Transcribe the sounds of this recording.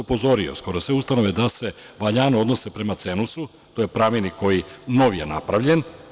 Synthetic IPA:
upo̞zo̞ɾiosko̞ɾo̞sʋeust̪ano̞ʋed̪ase̞ | ʋaʎaːnoo̞d̪no̞se̞pɾe̞mat̪senusu | t̪ojepɾaminiko̞jino̞ʋijenapɾaʋʎe̞n

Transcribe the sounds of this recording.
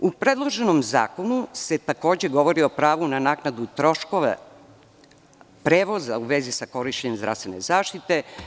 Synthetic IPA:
upɾed̪lˠo̞ʒe̞nomza̰ːko̞nuse̞t̪ako̞ːd͡ʑe̞ɡo̞ʋo̞ɾiopɾaːʋunanaːknad̪ut̪ɾo̞ʃkoʋḛ | pɾeːʋo̞za̰uʋezisako̞ɾiʃt͡ʃeɲemzd̪ɾa̰st̪ʋe̞nezaːʃt̪it̪e̞

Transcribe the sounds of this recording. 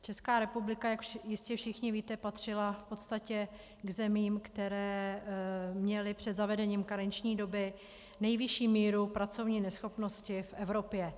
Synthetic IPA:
t͡ʃɛskaːɾɛpublɪkajakjɪscɛfʃɪxɲɪviːt̪ɛpat̪r̝̥ɪlafpo̞t̪st̪acɛ | ɡzɛmiːmkt̪ɛɾɛː | mɲɛlɪpr̝̥ɛd̪zavɛdɛɲiːmkaɾɛɲt͡ʃɲiːdo̞bɪ | nɛjvɪʃiːmiːɾupɾat͡so̞vɲiːnɛsxo̞pno̞scɪfʔɛvɾo̞pjɛ

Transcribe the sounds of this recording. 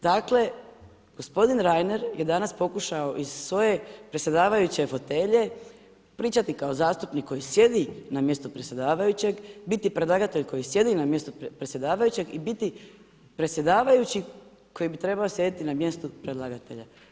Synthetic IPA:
d̪̥akle̞ | ɡ̥o̞spo̞d̪inɾajne̞ɾjed̪anaspo̞kuʃao̞ʔizsʋo̞je̞pɾet̪sʲje̞d̪aːʋajut͡ɕe̞fo̞t̪e̞ʎe̞ | pɾiːt͡ʃat̪ikaozaːst̪upnikʰːo̞jisje̞d̪inamje̞st̪upɾet̪sʲje̞d̪aːʋajut͡ɕe̞ɡbit̪ipɾe̞d̪laɡat̪e̞ʎko̞jisje̞d̪inamje̞st̪opɾet̪sʲje̞d̪aːʋajut͡ɕe̞ɡibit̪i | pɾet̪sʲje̞d̪aːʋajut͡ɕi | ko̞jibit̪ɾe̞baosje̞d̪it̪inamje̞st̪upɾed̪lˠaɡat̪e̞̰ʎa

